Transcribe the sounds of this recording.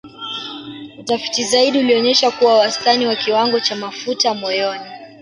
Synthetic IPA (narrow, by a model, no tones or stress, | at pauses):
utafi̥tizaiɗiuliɔɲɛʃakuwawastaniwakiwaŋɡɔt͡ʃamafutamɔjɔni